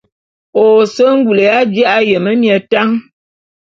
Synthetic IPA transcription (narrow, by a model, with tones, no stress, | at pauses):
o˨sə˦ŋ̩˦ɡu˨le˨a˦d͡ʒa˦ʔa˦jə˨mə˦mjə˨ta˦ŋ